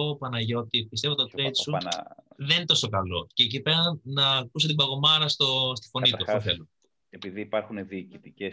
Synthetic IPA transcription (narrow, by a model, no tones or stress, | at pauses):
opɐnɐʝo̞t̪ipist̪evot̪ot̪ɾejt̪ssṵðenint̪o̞so̞kɐlo̞ceːc̬ipe̞ɾɐnnːɐːkus̬et̪ibɐɣo̞mɐɾɐst̪o̞st̪i̥fo̞nit̪uɐfoθḛlun | epiðiːpɐɾxuneðiːcit̪ice